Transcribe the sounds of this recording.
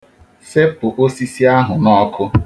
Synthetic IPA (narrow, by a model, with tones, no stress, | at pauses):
se˦pʊ˨ʔo˦si˦si˦a˦ɦʊ˨nɔ˦kʰʊ˦